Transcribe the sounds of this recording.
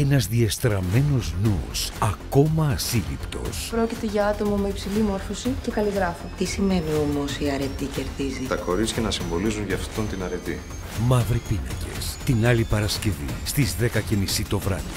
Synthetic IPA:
e̞nɐzðiest̪ɾɐme̞no̞znṵsɐko̞mɐːsilḭpt̪o̞̰spɾo̞cit̪e̞ʝɐɐt̪o̞mɐmeipsilimo̞ɾfosice̞kɐliɣɾɐfot̪isime̞nio̞mo̞siɐɾe̞t̪ice̞ɾðizit̪ɐko̞ɾit͡scenɐsiɱvo̞lizunʝɐft̪o̞nt̪inɐɾe̞t̪i | mɐvɾipinɐ̰ɟe̞̰st̪inɐlipɐɾɐsce̞vḭst̪izðe̞kɐce̞misit̪o̞vɾɐ̰ði

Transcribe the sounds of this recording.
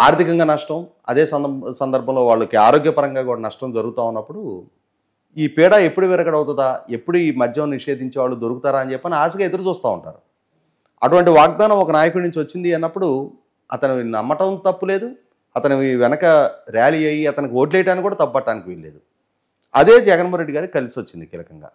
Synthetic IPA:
a̰ːɾt̪ʰikɐŋɡaːnɐʂʈɐm | ɐ̰d̪e̞ːsɐsɐnd̪ɐɾbʱɐmlo̞ːʋaːɭːɐkiaːɾo̞ːɡjɐpɐɾɐŋɡaːkuːɽanɐʂʈɐmd͡ʒɐɾuɡut̪aːunːɐpːuɽu | iːpiːɽaːe̞pːuɽuʋɛːɾɐkːɐɽɐwut̪̬und̪aːe̞pːuɽuiːmɐd̪ʱjɐmniʂe̞ːd̪iɲt͡ʃeːʋaːɭːud̪o̞ɾukut̪aːɾaːɐnt͡ʃɛpːɐːniaːs̬ɐɡae̞d̪ɐɾut͡ʃuːst̪aːṵɳʈa̰ːɾu | ɐʈuʋɐɳʈiʋaːɡ̚d̪aːnɐmɔkɐnaːjɐkunuɲt͡ʃiʋɐt͡ʃːind̪iɐnːɐpːuɽu | ɐt̪ɐninɐmːɐʈɐnt̪ɐpːule̞ːd̪u | ɐt̪ɐniʋɛnɐkɐɾjaːliɐjiɐt̪ɐnikio̞ːʈ̬lejɐʈaːnikuːɽaːt̪ɐpːubɐʈːaːnikiʋeɭːe̞ːd̪u | ɐ̰d̪e̞ːd͡ʒɛɡɐnmɔɦɐɾe̞ɖiɡaːɾiki̥kɐlisiʋot͡ʃːind̪ikḭːlɐkɐŋɡa̰ː

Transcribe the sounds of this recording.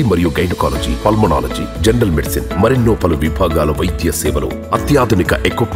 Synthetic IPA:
imɐɾijuːɡɐjnɐkaːlɐd͡ʒḭpɐlmɐna̰ːlɐd͡ʒḭːd͡ʒɐɳɖɐlmeɖisinmɐɾinːoːpɐluʋibʱaːɡaːlɐʋɐjd̪jɐsɛːʋɐlo̰ː | ɐt̪jaːd̪ʱunikɐ̰ʔekoʈ

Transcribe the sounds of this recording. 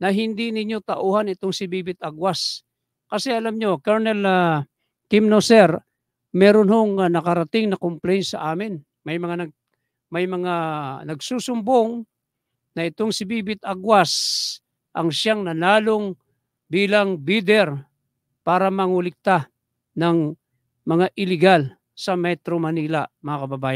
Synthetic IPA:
nɐɦɪnd̪inɪɲːo̞t̪ɐʔoːhanɪt̪oŋsɪbiːbɪt̪̚ʔaɡwas | kɐsɛʔɐlamɲo̞kaɹnɛla | k̪ɪmnosɛɾ | mɛɾonhoŋanɐkɐɾɐt̪ɪŋnɐkomplɛjnsɐʔaːmɪn | mɐjmɐŋanɐɡ̚ | mɐjmɐŋanɐɡsuːsʊmboŋ | nɐʔɪt̪oŋsɪbibɪt̪̚aɡwas | ʔɐŋʃaŋnɐnaːloŋ | biːlɐŋbid̪ɛɾ | paːɾɐmɐŋulɪk̚t̪a | nɐŋ | mɐŋaʔɪlɪɡal | sɐmɛt̪ɾomɐniːlamɐŋakɐbɐbaːjan

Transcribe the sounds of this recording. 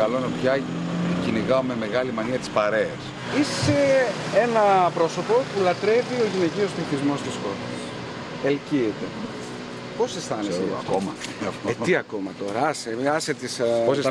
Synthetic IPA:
ɐlonɐpçɐciniɣɐomeme̞ɣɐlimɐniɐt̪i̥spɐɾeɐs | isseenɐpɾo̞so̞po̞pulɐt̪ɾe̞vio̞ʝine̞cio̞stɾiθizmo̞st̪isko̞ts | elciet̪e | po̞sest̪ɐneseɐ̰komɐeiɐko̞mɐt̪o̞ɾɐɐseɐset̪ispose

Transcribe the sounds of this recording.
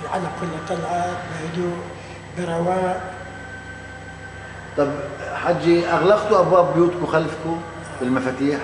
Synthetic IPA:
ʕalːakʊlːt̪ˤɑlʕɑbɪhad̪uʔ | bɪɾˤɑwaːʔ | t̪ˤɑbħad͡ʒːiʔaɣlaɣt̪ʊʔabwaːbːjuːt̪kʊxalfkʊ | bɪlmafaːt̪iːħ

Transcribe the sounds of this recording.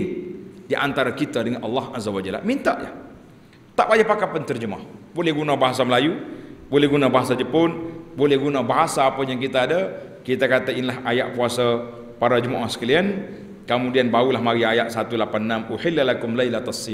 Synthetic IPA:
diʔant̪aɾakit̪adəŋanʔɑlːɑhʔazawad͡ʒal̰mint̪aʔja̰ | t̪aʔbad͡ʒapakapant̪ərd͡ʒəma̰hbolɛhɡunabaɦasaməlajubolɛhɡunabaɦasad͡ʒəpʊnbolɛhɡunabaɦasaːpajaŋkit̪aːda | kit̪akat̪ainlaɦaja̰ʔpuasa | paɾad͡ʒəmaʔahsə̥kalian | kəmudianbaulahmaɾiajaʔ̪̚sat̪ulapanːamuħɪlːalakʊmlajlat̪asːia

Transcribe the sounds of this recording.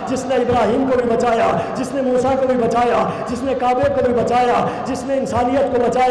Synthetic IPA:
d͡ʒɪsnẽɪbɾaːɦiːmkobʱibɐt͡ʃaːjad͡ʒɪsnemuːsakobʱibɐt͡ʃaːjad͡ʒɪsnekaːbekobʱibɐt͡ʃaːjad͡ʒɪsnẽɪnsaːnijət̪kobɐt͡ʃaːj

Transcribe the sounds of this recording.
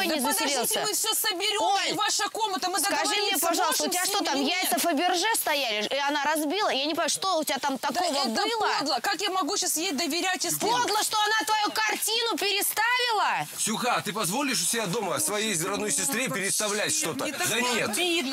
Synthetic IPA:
jnʲɪzəsʲɪlʲelˠsəmɨfsʲosəbʲɪɾʲoojvaʂəkomət̪əmɨskɐʐɨmnʲepɐʐɑlˠt̪əʊɪaʂt̪ot̪amjaɛt̪əfəbʲɪrʐɛst̪ɐjalʲɪiɐnaɾɐzbʲilˠəjanʲɪpɐjʂt̪o̞ʊtʲɪvʲat̪amt̪ɐko̞vəbɨlˠəd̪lˠəkakjamɐɡuɕasjest̚ʲd̪əvʲɪɾʲatɪspod̪lˠəʂt̪oɐnat̪vɐjukɐrtʲinʊpʲɪɾʲɪst̪avʲɪlˠəsʲʊxat̪ɨpɐzvo̞lʲɪʂʊ̥sʲɪbʲad̪o̞məsvɐjejzɾɐd̪nojsʲɪst̪ɾʲepʲɪɾʲɪt̪st̪ɐvlʲætʲʂt̪o̞t̪əd̪ɐnʲet̪

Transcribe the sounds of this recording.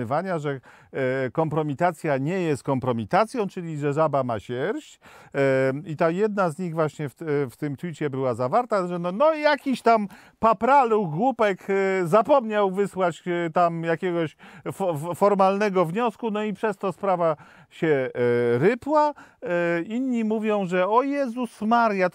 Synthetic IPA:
ɘvaɲaʐɛ | kɔmpɾɔmʲit̪at̪sʲjaɲɛjɛst̪̚kɔmpɾɔmʲit̪at̪sʲjɔ̃w̃t͡ʂɘlʲiʐɛʐabamaɕɛɾɕt͡ɕ | it̪ajɛd̪nazɲiɣvwaɕɲɛfft̪ɘmt̪wʲit͡ɕɛbɘwazavaɾt̪aʐɛnɔnɔjakʲiɕt̪am | papɾaluɡwupɛkzapɔmɲawvɘswat͡ɕt̪amjakʲɛɡɔɕfɔfɔɾmalnɛɡɔvɲɔskunɔipʂɛst̪ɔspɾava | ɕɛɾɘpwa | inɲːimuvʲjɔ̃w̃ʐɛɔjɛzusmaɾja

